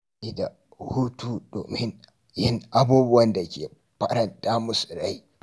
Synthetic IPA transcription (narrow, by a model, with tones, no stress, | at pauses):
ʔɪ˦da̰˨ | huː˦tuː˦do̰ː˨mɪ˦n | jɪ˦nʔa˦buː˦bʊ˦wɐ˦nda˨kʲḛː˨ | ɸɐ˦ɾɐ˨ntaː˦mʊ˦su̥˨ɽa˦ji˦